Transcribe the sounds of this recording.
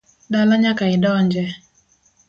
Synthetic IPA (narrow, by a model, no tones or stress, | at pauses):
ɗalaɲakaidɔɲd͡ʒɛ